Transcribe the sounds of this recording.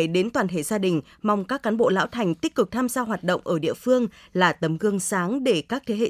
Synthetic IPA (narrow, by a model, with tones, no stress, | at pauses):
ɗe˨˦nt̪waː˨˩nt̪ʰḛ˧˨zaː˧ɗï˨˩ŋ̟ | ma˨˩wŋ͡mkaː˦˥kːaː˨˦nɓo̰˧˨la̰ː˧˥wt̪ʰa˨˩jŋ̟t̪i˦˥k̚kɨ˨˩k̚t̪ʰaː˧mzaː˧ɦwaː˨˩t̚ɗə̰˧˨wŋ͡mʔəː˧˩ɗḭ˧əfɨ˧əŋlaː˨˩t̪ə˨˦mɣɨ˧əŋsaː˨˦ŋɗe˧˩kaː˦˥k̚t̪ʰe˨˦ɦḛ˧˨